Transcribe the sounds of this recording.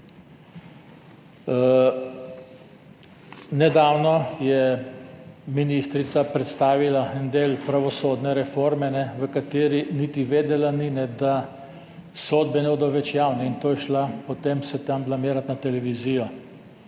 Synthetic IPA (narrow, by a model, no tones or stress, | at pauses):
nɛd̪aːwnɔjɛ | minist̪ɾit̪sapɾɛt̪st̪aːʋilaɛnd̪eːlpɾaʋɔsoːd̪nɛɾɛfoːɾmɛnɛʋəkat̪eːɾinit̪iʋeːd̪ɛlaninɛd̪a | soːd̪̚bɛnɛboːd̪ɔwʋɛt͡ʃjaːwnɛint̪oːjɛʃlapɔt̪emsɛt̪amblameːɾat̪nat̪ɛlɛʋizijɔ